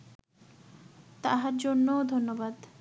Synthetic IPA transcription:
t̪aɦaɾd͡ʑonːod̪ʱonːobad̪

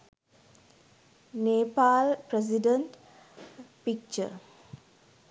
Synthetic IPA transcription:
neːpaːlpɾes̬iɖəɳʈ | pik̚t͡ʃə̰

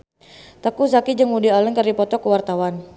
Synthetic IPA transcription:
t̪əkusakid͡ʒəŋudialəŋkərdipɔt̪ɔkəwart̪awan

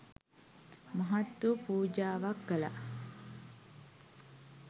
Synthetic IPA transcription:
mɐɦat̪ːupuːd͡ʒaːʋakːəla̰

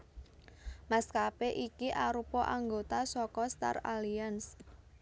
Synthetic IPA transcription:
maskapeʔikiʔaɾupɔʔaŋɡot̪asɔkɔst̪a̰ralians

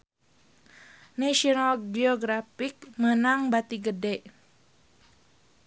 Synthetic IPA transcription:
naʃiɔnalɡiɔɡɾafik̚mənaŋbat̪iɡədɛʔ

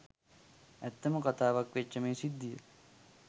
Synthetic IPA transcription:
æt̪ːəməkat̪aːʋakʋet͡ʃːəmeːsid̪ːijə̰

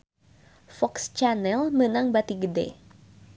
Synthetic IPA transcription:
fɔkst͡ʃanɛlmənaŋbat̪iɡədɛ̰

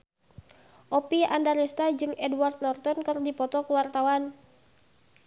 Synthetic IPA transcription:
ʔɔpia̰ndaɾɛst̪ad͡ʒɨŋɛdwart̪̚nɔrt̪ɔnkɨrdipɔt̪ɔkuwart̪awan

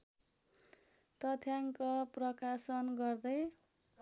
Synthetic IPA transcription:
t̪ʌt̪ʰjaŋkʌprʌkasʌnɡʌrd̪ʌj

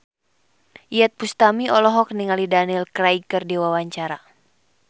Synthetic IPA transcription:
iɛt̪̚pust̪amiɔlɔɦɔk̚niŋalidanilkɾajkərdiwawaɲt͡ʃaɾa

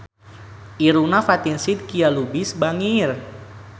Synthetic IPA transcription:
ʔiɾunafat̪insid̪̚kialubisbaŋir

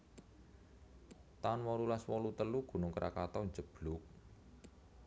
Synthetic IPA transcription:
t̪anwɔɾulaswɔlut̪əluɡ̥ṳnʊŋkəɾʔa̰kat̪ɔɲd͡ʒəb̥lʊk̚

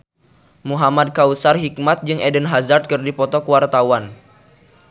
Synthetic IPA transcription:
muɦamad̚kausarɦik̚mat̪̚d͡ʒɨŋʔɛdənɦazard̪̚kɨrdipɔt̪ɔkuwart̪awan

